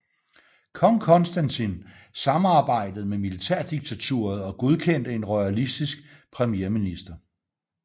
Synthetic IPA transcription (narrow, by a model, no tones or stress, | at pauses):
kʰɒŋkʰɒ̽nsd̥ænt͡sʰin | sɑ̈mɑ̈ːb̥ɑ̈ɪ̰d̥əð̩ˠmemilit͡sʰæɐ̰d̥iɡ̥̚t͡sʰæt͡sʰṵːɐð̩ˠɒ̽ɡ̥o̝ð̞ˠkʰen̰d̥əe̝nʁɒɪælisd̥isɡ̥pʰʁɛmijeːɐminisd̥ɐ